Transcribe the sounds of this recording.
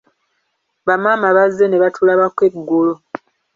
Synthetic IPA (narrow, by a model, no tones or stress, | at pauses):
βamaːmaβazːe̞ne̞βatʰulaβakwe̞ɡːolo